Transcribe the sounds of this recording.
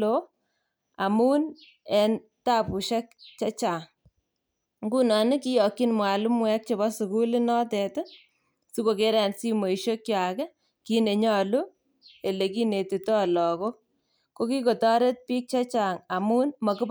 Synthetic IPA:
o | a˨muː˦n | ɛ˨n | ta˦pu˨ʃa˦k̚t͡ʃa˦t͡ʃaː˨ŋ | ŋɡu˦nɔ˨nɪ˦ki˦jɔ˨kːi˦nmwa˨lu˦mwɛ˦k̚t͡ʃe˨ba˦su˨ku˦li˦nɔ˦tɛto˦ | su˦ko˨ke˦ɾɛ˨nsi˦mo˨i˨ʃo˦kt͡ʃja˨kɛ˦ | ki˦ne˨ɲɔ˦lu˦ | e˨le˨ki˦ne˨ti˨tɔ˦lɔ˨ko˦ | ko˦ki˦ko˨tɔ˦ɾe˦t̚piː˦k̚t͡ʃa˦t͡ʃa˨ŋa˨muː˦nmɔ˨kɪ˦b

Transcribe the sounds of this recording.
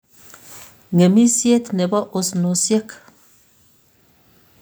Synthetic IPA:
ŋe˨mi˦sje˦tnɛ˨bɔ˦ʔo˦sno˨sje˦k

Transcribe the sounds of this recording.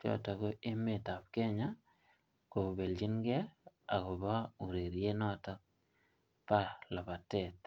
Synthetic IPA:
t͡ʃɔ̰˦˨tɔ˨ko˦e˦me˦˨ta˨p̚kɛ˦ɲa˦ | ko˨be˨ld͡ʒi˦nɡɛ˦a˨ko˨ba˦u˨ɾe˨ɾje˦nɔ˦˨tɔ˦k̚ | pa˦la˨pa˨tɛ˨t

